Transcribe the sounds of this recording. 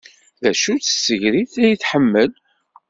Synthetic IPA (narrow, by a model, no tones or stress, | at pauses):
ðæʃut͡sə̥sːəʝɾiθæjəθħəmːəl